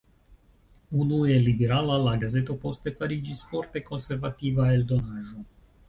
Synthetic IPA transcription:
unuɛlibeɾalalaɡazet̪opost̪epaɾid͡ʒispɔrt̪ekonseɾvat̪ivaeld̪onaʒo

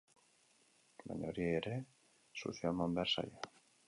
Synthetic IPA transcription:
la̰ɲoɾieeɾe | sṵθiamambeɾsa̰ʎa

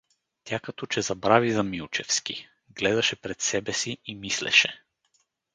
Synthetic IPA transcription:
t̪ʲakɐt̪ɔt͡ʃɛzɐbɾavizɐmilˠt͡ʃɛfski | ɡlɛd̪ɐʃɛpɾɛt̪sɛbɛsiːmislɛ̰ʃɛ

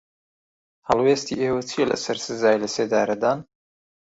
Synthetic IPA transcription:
hɐlˠwest̪ḭːʔeːwɐt͡sʰijelʔɐ̰sɐɾsɨzaːjlɐseːd̪a̰ːɾɐd̪aːn

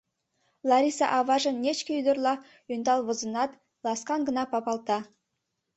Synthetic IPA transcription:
lˠaɾʲisɑ̰ʔɑvɑʒənːʲet͡ʃkʲejd̪ərlˠɑ | ʏnd̪ɑlˠvə̆zə̆nɑt̪ | lˠɑsqɑŋɡə̆nɑpɑpɑlˠt̪ɑ

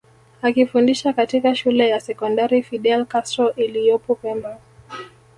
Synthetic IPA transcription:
akifundiʃakatikaʃulɛjasɛkɔndaɾifiɗɛlkastɾɔʔilijɔpɔpɛmba

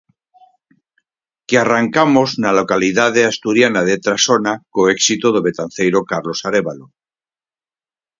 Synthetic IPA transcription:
kearaŋkamoznalo̞kaliðaðeast̪uɾjanaðet̪ɾasonakoeksit̪oðoβe̞t̪anθejɾokaɾlo̞saɾeβalo

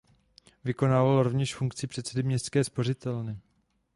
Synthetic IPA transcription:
vɪko̞naːvalɾo̞vɲɛʃfuŋkt͡sɪpr̝̥ɛt̪t͡sɛdɪmɲɛst̪skɛːspo̞r̝ɪt̪ɛlnɪ

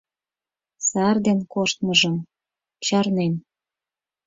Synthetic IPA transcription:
sɑrd̪enkoʃt̪mɤʒəm | t͡ɕɑrnen

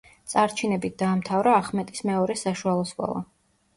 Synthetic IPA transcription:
t̪sʼaɾt͡ʃʰinɛbit̪̚ʰd̪̥aːmt̪ʰavɾaːχmɛt̪ʼismɛɔɾɛsaʃualˠɔskʼɔ̰lˠɔ̰

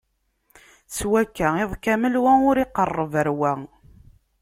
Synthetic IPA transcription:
t͡swækːæɪðˤkæməlwæʊɾɪqːərˤːəvəɾwæ

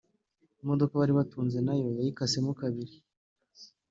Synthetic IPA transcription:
modo̞kaβaɾiβatuːnze̞najo̞jajikasemukaβiɾi

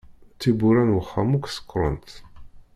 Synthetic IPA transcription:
t͡s̪ːibuɾænwəχːamuksə̥qːɾˤə̰nt̪

